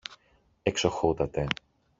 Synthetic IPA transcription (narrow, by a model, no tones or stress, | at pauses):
eksoxut̪ɐt̪e̞